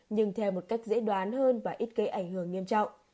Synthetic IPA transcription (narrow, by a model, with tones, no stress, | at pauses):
ɲɨ˧ŋt̪ʰɛ˧wmo˨˩t̚ka˦˥jk̚zḛ˧˥ɗwaː˨˦nɦəː˧nvaː˨˩ʔi˦˥t̚kə˨˦ʔa˧˩jŋ̟hɨ˧˩əŋːi˧əmt͡ɕɔ̰˧˨wŋ͡m